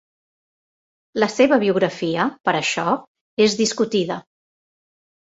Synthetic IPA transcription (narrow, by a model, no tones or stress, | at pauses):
ləseβəβiuɣɾəfiəpəɾəʃɔ | ezðiskut̪iðə